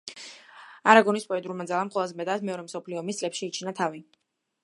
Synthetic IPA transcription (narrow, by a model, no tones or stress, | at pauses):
aɾaɡɔnispʼɔɛd̪ulˠmad̪zalˠamqʼwɛlˠazɛmɛd̪asmɛɔɾɛmsɔpʰliɔːmist̪sʼlɛpʃiːt͡ʃʰinat̪ʰavi